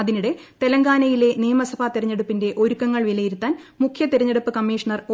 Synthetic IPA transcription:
ɐðiniɽe̞t̪e̞lɐŋɡaːnɐjile̞nijɐmɐsɐbʱaːt̪iɾɐɲːeɽupːinde̞ʔo̞ɾukːɐŋːɐɭʋilɐjiɾut̪ːaːnmukʰjɐt̪iɾɐɲːeɽupːɨkɐmːiːʂɐɳɐro

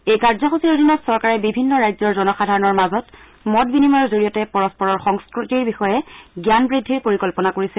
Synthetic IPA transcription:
ejkaɹzɔxusiodʱinɔtsɔɹkaɹɛbibʱinːɔɹajzɔɹzɔnɔxadʱaɹɔnɔɹmazɔt | mɔtbinimaɹzoɹijɔtɛpɔɹɔspɔɹɔɹxɔŋskɹutiɹbixɔjɛɡjanbɹidʱːiɹpoɹikɔlpɔnakoɹisɛ

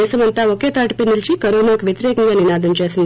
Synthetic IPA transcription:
eːsɐmɐnt̪aoket̪ɐʈpenilt͡ʃikɐɾoːnaːkʋjet̪ɾeːkɐŋɡaninaːd̪ɐmt͡ʃeːsɐnd̪

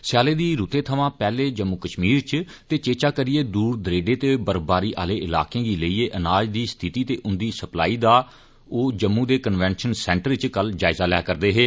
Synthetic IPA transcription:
sjaːleːd̪iːɾuːt̪ẽːt̪ʰəʋãːpɛːleːd͡ʒəmːuːkəʃmiːɾt͡ʃ | t̪eːt͡ʃeːt͡ʃaːkəɾɪeːd̪uːɾd̪əɾeːɖeːt̪eːbəɾbaːɾiːʔaːleːɪla̰ːkẽːɡ̪iːləiːeːʔənaːd͡ʒd̪iːst̪ʰit̪iːt̪eːʔʊnd̪iːsəpla̰ːiːd̪aː | oːd͡ʒəmːũːd̪eːkənʋɛ̃ːnʃənsɛ̃ːɳʈəɾt͡ʃkəld͡ʒaːɪzaːlɛ̰ːkəɾd̪eːɦeː

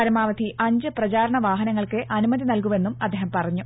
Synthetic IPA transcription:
ɐɾɐmaːʋɐd̪ʰʱiʔɐɲd͡ʑɨprɐt͡ɕaːɾɐɳɐʋaːɦɐnɐŋːɐɭkɨʔɐnumɐðinɐlkuʋe̞nːumɐd̪ːeːɦɐmpɐrɐɲːu

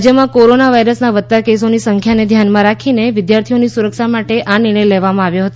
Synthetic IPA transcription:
d͡ʒjəmãkoɾonaʋaiɾəsnaʋət̪ːakesonisəŋkʰjaned̪ʱjanmãɾakʰineʋɪd̪jaɾt̪ʰionisuɾəkʃamaʈeʔʔaniɽ̃əjleʋamãaʋjoɦət̪o

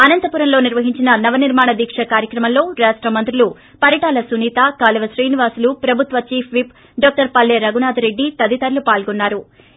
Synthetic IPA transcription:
ɐnɐnt̪ɐpuːɾɐnlo̞ːniɾʋɐɦiɲt͡ʃinɐnɐʋɐniɾmaːɳɐd̪iːkʂɐkaːɾjɐkɾɐmɐllo̞ːɾaːʂʈɾɐmɐnt̪ɾulu | pɐɾjɐʈaːlɐsuniːt̪aːkaːlɐʋɐsɾiːniʋaːsulupɾɐbʱut̪ʋɐt͡ʃiːpʰʋip | ɖɔːk̚ʈɐɾpɐlːeːɾɐɡunaːd̪ɐɾe̞ɖːit̪ɐd̪it̪ɐɾlupaːlɡɔnːaːɾu

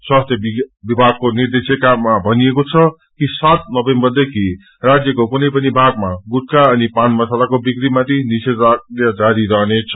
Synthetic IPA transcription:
swast̪ʰjʌbibibʱaɡ̚konird̪esjʌkamːabʱʌniekot͡sʰʌ | kisat̪̚nʌbẽmbʌrd̪ekʰi | rad͡zjʌkokunʌjpʌnibʱaɡ̚maɡut̚kaʌnipanmʌsalakobikɾimat̪ʰiniseajʌd͡zaɾiɾʌɦnet͡sʰʌ̥

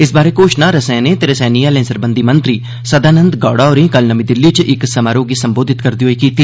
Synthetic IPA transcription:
ɪsbaːɾeːkoʃnaːɾəsɛ̃ːneːt̪eɾəsɛːniːjaːlẽːnsəɾbənd̪iːmənt̪ɾiː | səd̪aːnə̃nd̪ɡaːɽaːɔːɾĩːkəlnəmĩːd̪ɪlːit͡ʃʔɪksəmaːɾoːɡiːsəmboːd̪ʱɪt̪kəɾd̪iːɦoiːkiːt̪iː

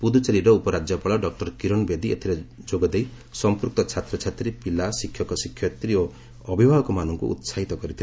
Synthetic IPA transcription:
pud̪ut͡ʃeɾiɾɔupɔɾad͡ʒjɔpɔɭɔɖɔk̚ʈɔɾkiɾɔnbed̪iet̪ʰiɾed͡ʒoɡɔd̪ej | sɔmpuɾk̚t̪ɔt͡ʃʰat̪ɾɔt͡ʃʰat̪ɾipilasikʰjɔkɔsikʰjɔt̪ɾio | ɔbʱibʱaɦɔkɔmanɔŋkṵʔṵt̪saɦit̪ɔkɔɾit̪ʰil

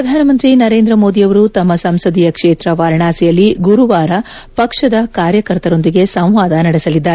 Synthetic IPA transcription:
ɾɐd̪ʱaːnɐmɐnt̪ɾinɐɾe̞ːnd̪ɾɐmo̞ːd̪ijɐʋɐɾut̪ɐmːɐsɐmsɐd̪ijɐkʂeːt̪ɾɐʋaːɾɳaːsijɐlːiɡuɾuʋaːɾɐ | pɐkʂɐd̪ɐkaːɾjɐkɐɾt̪ɐɾo̞nd̪iɡe̞sɐ̃w̃ʋaːd̪ɐnɐɽesɐlid̪ːaːɾe

